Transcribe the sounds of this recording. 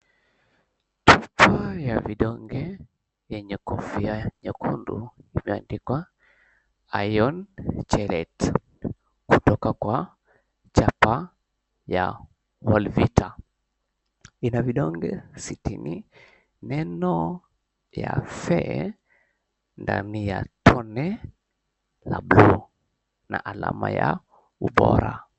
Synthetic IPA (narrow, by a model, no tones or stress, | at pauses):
tupʰajaviɗɔŋɡɛ | jɛɲɛkɔfiaɲɛkʰundṵimɛandikwa | ajɔnt͡ʃɛlɛt | kutɔkakwa | t͡ʃapa | ja̰ | wɔlvitʰa | inaviɗɔŋɡɛsitini | nɛnɔ | jafɛ | ndanijatʰɔnɛ | lablu | nʔaʔala̰maja | uɓɔɾa